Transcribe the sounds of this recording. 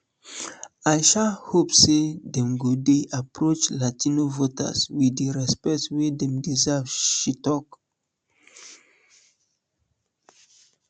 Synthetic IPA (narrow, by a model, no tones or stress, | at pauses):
ajʃalhopsedɛ̃mɡodeʔapɹot͡ʃlatinovota̰swiiɹɛspɛk̚twedɛ̃mdizavʃitɔk